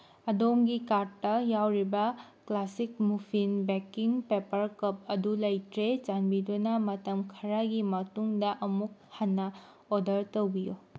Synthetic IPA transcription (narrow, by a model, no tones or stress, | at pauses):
ɐdomɡikaɾtːɐjawɾibɐ | klasik̚mupʰinbekiŋpepɐɾkɐp̚ɐdulɐjtɾet͡ʃanbidunɐmɐtɐmkʰɐɾaɡimɐtuŋdɐʔɐmuk̚hɐnːɐ | odɐɾtowbijo